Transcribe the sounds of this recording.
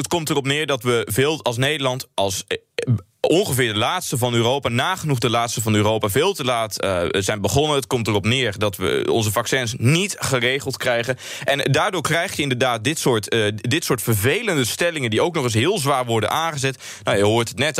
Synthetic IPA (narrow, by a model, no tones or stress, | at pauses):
ətkɔmtərɔp̬nɪːɹdɑtʋəvɪːlˠɑlˠs̬nejdəlɑntɑlˠs | ɔnχəvɪːɹdəlaːtstəvɑnøːrowpaːnaːχənuχdəlaːtstəvɑnyːrowpaːvɪːlˠtəlaːtzɛjnbəχɔnənətkɔmtərɔpnɪːrdɑtʋə̰ɔ̰nzəvɑksɛnsnitχərejχəlˠtkrɛjχən | ʔɛndaːɹdʊːɹkrɛjχjəɪndəɹdaːt̚dɪtsʊːɹtdɪtsʊːɹtfəɹvejləndəstɛlɪŋəndiowknɔχɪs̬ɦɪːlˠzʋaːɹʋɔɹdə̰nʔaːnχəzɛt | nawjəɦʊːtətnɛt